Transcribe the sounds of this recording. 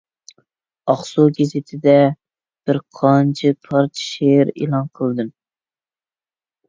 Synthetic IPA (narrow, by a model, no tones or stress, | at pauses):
ɑχsuɡʲezɪt̪ʰɪd̪ɛ | b̥ɪɾqʰɑnt͡ʃʰipʰɑɾt͡ʃ̪ʰʃeɾḛlˠɑnqʰəlˠd̪ɨm